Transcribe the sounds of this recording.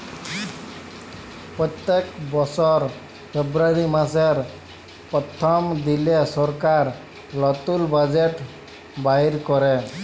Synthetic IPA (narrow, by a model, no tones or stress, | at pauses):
pɾɔt̪ekbɔsɔɾ | pʰebɾaɾimãs̬eɾ | pɔt̪ʰːɔmd̪ilesɔɾkaɾ | lɔt̪ulbad͡ʒeʈ | baiɾkɔɾe